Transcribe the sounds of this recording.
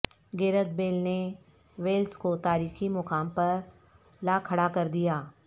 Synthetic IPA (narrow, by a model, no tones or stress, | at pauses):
ɡeːɾət̪̚beːlne | ʋeːlskot̪aːɾiːximʊkaːmpɐɾ | laːkʰɐɽakɐɾd̪ijaː